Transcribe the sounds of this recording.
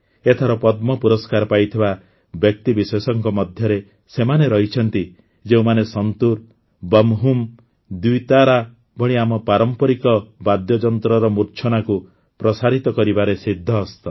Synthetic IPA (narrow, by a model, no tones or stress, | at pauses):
et̪ʰaɾɔpɔd̪̚mɔpuɾɔskaɾpajt̪ʰiba | bjɔk̚t̪ibiswesɔŋkɔmɔd̪ʱjɔɾe | semaneɾɔɦit͡ʃʰɔnt̪i | d͡ʒeũmanesɔnt̪uɾ | bɔmɦum | d̪ut̪aɾa | bɔɽ̃iamɔpaɾɔmpɔɾikɔbad̪jɔd͡ʒɔnt̪ɾɔɾɔmuɾt͡ʃʰɔnaku | pɾɔsaɾit̪ɔkɔɾibaɾesid̪ʱːɔːst̪ɔ